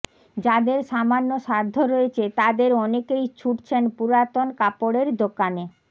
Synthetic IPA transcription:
d͡ʑad̪eɾʃamanːoʃad̪ʱːoɾoet͡ɕʰet̪ad̪eɾɔnekejt͡ɕʰuʈt͡ɕʰenpuɾat̪onkapoɽeɾd̪okane

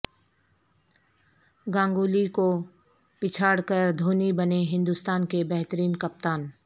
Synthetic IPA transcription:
ɡãːŋɡuːliko | pɪt͡ʃʰaːɽkəɾd̪ʱoːnibɐneɦɪ̃nd̪ust̪aːnkebɛɦt̪əɾiːnkɐp̚t̪aːn

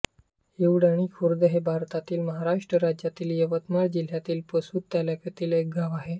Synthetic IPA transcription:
eʋɽaɽ̃ikʰuɾd̪əɦebʱaɾt̪at̪iːlməɦaɾaʂʈɾəɾad͡ʑat̪iːljəʋət̪maɾd͡ʑil̤jat̪iːlpəsuːd̪̚t̪aljakət̪iːlek̚ɡaʋaɦe

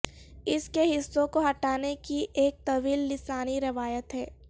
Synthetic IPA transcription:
ɪskeɦɪsːõkoɦɐʈaːnekiʔeːk̚t̪ɐʋiːlːɪsaːniɾɪʋaːjət̪ɦɛː

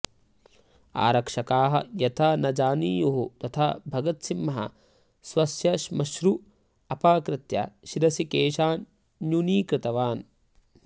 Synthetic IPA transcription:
a̰ːɾɐkʂɐkaːɦɐ̰jɐt̪ʰanɐd͡ʒaːniːjuɦut̪ɐt̪ʰaːbʱɐɡɐt̪simːɐɦɐ̰ | swɐsjɐʃmɐʃɾu | ɐpaːkɾɪt̪jɐ̰ʃiɾɐsikeːʃaːn | juniːkɾɪt̪ɐʋaːn

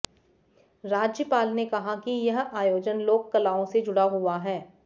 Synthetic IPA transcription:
ɾaːd͡ʒjəpaːlnekɐɦakijɐɦaːjoːd͡ʒənloːkːɐlaːõsed͡ʒʊɽaɦʊaɦɛː

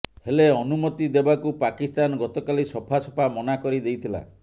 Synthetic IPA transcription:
heleɔnumɔt̪id̪ebakupakist̪anɔɡɔt̪ɔkalisɔpʰasɔpʰamɔnakɔɾid̪ejt̪ʰila̰

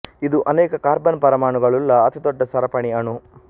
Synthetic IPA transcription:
id̪uʔɐnɛːkɐkaːɾbɐnpɐɾɐmaːɳuɡɐɭulːɐːt̪id̪ɔɖːɐsɐɾɐpɐɳiɐɳu

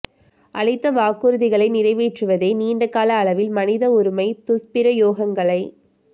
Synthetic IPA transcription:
ʔɐɭɐɪt̪ːɐʋaːkːɯɾɯðɪɣɐɭɐɪnɪɾɐɪʋiːʈrɯʋɐðeːniːɳɖɐkːaːlɐːɭɐʋɪlmɐnɪðɐʊɾɯmɐɪt̪ʊspɪɾɐjoːɣɐŋɡɐɭɐɪ

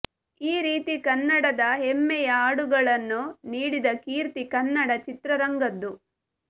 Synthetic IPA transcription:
iːɾiːt̪ikɐnːɐɽɐd̪ɐɦemːɛjɐaːɽuɡɐɭɐnːuniːɽid̪ɐkiːɾt̪ikɐnːɐɽɐt͡ʃit̪ɾɐɾɐŋɡɐd̪ːu

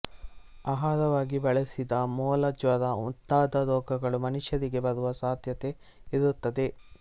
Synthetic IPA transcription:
aɦaːɾɐʋaːɡibɐɭesid̪ɐmɔːlɐd͡ʒʋɐɾɐṵt̪ːaːd̪ɐɾɔːɡɐɡɐɭumɐnuʃjɐɾiɡe̞bɐɾuʋɐsaːd̪ʱjɐt̪e̞ | iɾut̪ːɐd̪e̞

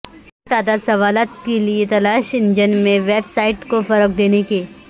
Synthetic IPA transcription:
t̪aːd̪aːd̪sɐʋaːlət̪keliet̪ɐlaːʃɪ̃nd͡ʒənmẽʋeːbsaːɪʈkofɐɾək̚d̪eːneke

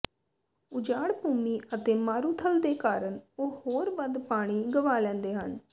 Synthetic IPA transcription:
ʊd͡ʒaːɽpuːmiːʔət̪eːmaːɾuːt̪ʰəld̪eːkaːɾəɳoːhoːɾʋənd̪paːɽ̃iːɡəʋaːlɛ̃ːnd̪eːɦə̰n

